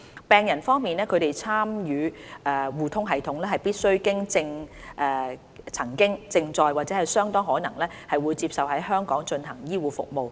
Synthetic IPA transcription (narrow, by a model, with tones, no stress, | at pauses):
pɛː˨ŋjɐ˨˩nfɔː˥ŋmiː˨nɛː˥kʰɵ˨˧ɥt̪e˨jt͡sʰaː˥mjyː˨˧ɛː˨˩wuː˨t̪ʰʊ˥ŋɦɐ˨jt̪ʰʊ˨˥ŋlɛː˥hɐ˨jpiː˥t̚sɵ˥ɥkɪ˥ŋt͡sɪ˧ŋʔɛː˧ | t͡sʰɐ˨˩ŋkɪ˥ŋt͡sɪ˧ŋt͡sɔː˧jwaː˨˩t͡sɛː˨˥hɐ˨jsœː˥ŋt̪ɔː˥ŋɦɔː˨˥nɐ˨˩ŋlɛː˥hɐ˨jwuː˨˧jt͡siː˧p̚sɐ˨whɐ˨˥jɦœː˥ŋkɔː˨˥ŋt͡ʃɵ˧nɦɐ˨˩ŋjiː˥wuː˨˧fʊ̰˨k̚mo˨w